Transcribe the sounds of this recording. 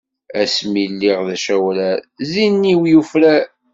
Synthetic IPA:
æsmilːiʁðæʃæwlæzinːiwjufɾæ

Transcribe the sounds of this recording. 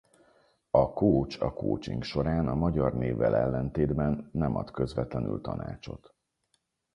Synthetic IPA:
ɒkoːt͡ʃɒko̰ːt͡ʃiŋkʃo̞ɾaːnɒmɒɟɒrneːvːɛlɛlːɛnt̪eːd̪bɛnːɛmɒ̰t̪kø̞zvɛt̪lɛny̰lt̪ɒ̰na̰ːt͡ʃo̞̰t̪

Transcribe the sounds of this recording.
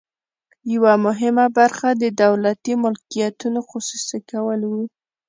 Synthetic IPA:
jawamʊɦɪmabaɾxad̪əd̪awlat̪imʊlkijat̪unoxʊsusikawəlwi

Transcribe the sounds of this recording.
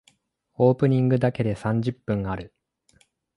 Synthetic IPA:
o̞ːpɯ̟ɲ̟ĩŋɡɯ̟d̪ake̞d̪e̞sãɲ̟d͡ʑɨpːɯ̟̃ŋaɾɯ̟

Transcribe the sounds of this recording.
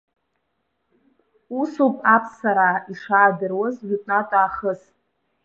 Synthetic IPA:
usupʼʰapʰsaɾaiʂaːdɨrwazɥʷᶣʏtʼnatʷʼaːχəs

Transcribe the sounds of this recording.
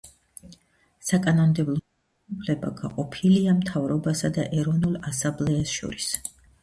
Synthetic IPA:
sakʼanɔmd̪ɛblˠɔ | upʰlɛba̰ɡaqʼɔpʰiliamt̪ʰavɾɔbasad̪a̰ʔɛɾɔvnulˠasãmblɛasʃɔ̰ɾis

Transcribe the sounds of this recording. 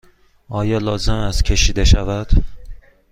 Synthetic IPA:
ɒːjɒlɒːzɪmæst̪cʲʰe̞ʃid̪eʃavæd̪̥

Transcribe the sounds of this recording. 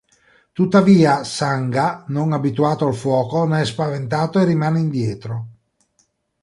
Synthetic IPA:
t̪ut̪ːaviːasaŋɡanoŋabit̪uaːt̪oalfwɔːkoneɛspavent̪aːt̪oerimaːneind̪jɛːt̪ɾo

